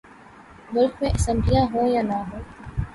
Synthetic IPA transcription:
mʊlkmẽʔɐsə̃mblijaɦõjanaɦõː

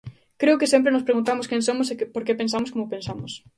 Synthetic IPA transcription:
kɾeʊkɪsemp̬ɾenʊspɾeɣunt̪amʊskẽŋsomʊsekpoɾkepẽns̬amʊskomopẽnsamʊs

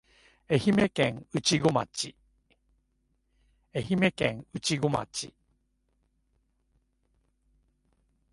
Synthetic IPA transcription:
e̞çime̞kẽŋɯt͡ɕiɡo̞ma̰t͡ɕi | e̞çime̞kḛ̃ŋɯ̟t͡ɕiɡo̞ma̰t͡ɕi

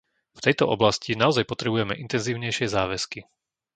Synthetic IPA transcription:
ft̪ɛjt̪ɔʔɔblascinaɔzajpɔt̪ɾɛbujɛmɛʔint̪ɛnziːʊɲɛjʃɪɛzaːʋɛski

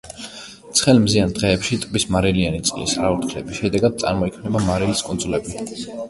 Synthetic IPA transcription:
t̪sʰχɛlmziand̪ʁɛːpʃit̪ʼbismaɾilianit̪sʼilḭsaɾauɾt̪χʰlɛ̰biʃɛd̪ɛɡad̪̥̚t̪sʼa̰ɾmɔikʰmnɛbamaɾiliskʼund̪zulɛbi

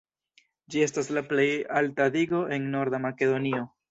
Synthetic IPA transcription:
d͡ʒie̞staslaple̞jaltadiɡo̞ʔe̞nno̞ɾdamake̞d̪o̞nio̞

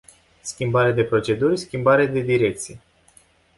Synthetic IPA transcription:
skʲimbaɾead̪e̞pɾo̞t͡ʃe̞d̪urʲskʲimbaɾed̪e̞d̪iɾe̞k̚t̪sije

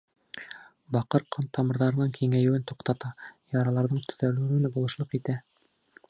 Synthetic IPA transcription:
bɑqɤɾqʰɤnt̪ʰɑmɤ̆ɾðɑɾɤ̆nɑŋkʰiŋæjɘ̆wɘnt̪uqt̪ɑt̪ɑjɑɾɑlˠɑɾðɤɴt̪ʰɵ̥̆ðælʉɘnɘbulˠɤ̆ʃlˠɤqit̪æ

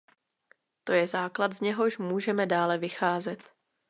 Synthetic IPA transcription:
t̪o̞jɛzaːklat̪zɲɛɦo̞ʃmuːʒɛmɛdaːlɛvɪxaːzɛt̪

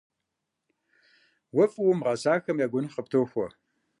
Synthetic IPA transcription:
wɐfʼwʊmʁɐsaːxɐmjaːɡʷʊnχəp̚tʰoːxʷɔ

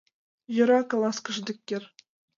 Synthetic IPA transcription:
jɤ̆ɾɑkɑlˠɑskɤ̆ʐd̪ʲɘ̆kʲːĕrʲ

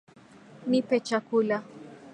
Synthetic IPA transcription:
nipɛt͡ʃakula

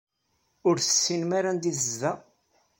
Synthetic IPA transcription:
ʊɾθə̥sːinmaɾand̪iθəzːæ

